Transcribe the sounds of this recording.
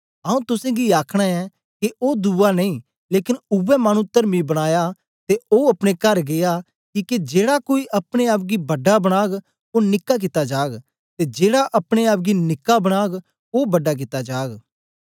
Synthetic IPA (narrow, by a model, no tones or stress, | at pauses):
aũt̪ʊsẽːɡiaːkʰɽ̃aɛ | keʔoːd̪uːanɐĩː | leːkɪnʊbɛmaːɽ̃ũt̪əɾmibɐɽ̃aːja | t̪eoːɐpɽ̃ekɐɾɡɪjaː | kiːked͡ʒeːɽakoːiːʔɐpɽ̃eaːp̚ɡibɐɖabɐɽ̃aːɡ | oːnɪkːak̬ɪt̪ad͡ʒaːɡ | t̪eːd͡ʒeːɽaʔɐpɽ̃eaːp̚ɡinɪkːabɐɽ̃aːɡ | oːbɐɖak̬ɪt̪ad͡ʒaːɡ